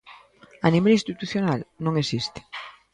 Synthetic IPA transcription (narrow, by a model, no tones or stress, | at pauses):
aniβelĩst̪it̪uθjonalnõŋesist̪e̥